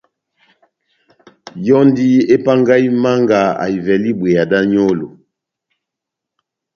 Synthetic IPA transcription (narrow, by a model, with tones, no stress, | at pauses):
jɔ˦ndi˦e˦pa˦ŋɡa˦i˦ma˦ŋɡa˨a̰˨i˨vɛ˨li˦bwe˨ja˨da˦ɲo˦lo˨